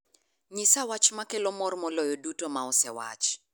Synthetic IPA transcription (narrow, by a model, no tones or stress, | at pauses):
ɲɪsawat͡ʃmakelomɔrmɔlɔjɔdutomaɔsɛwa̰t͡ʃ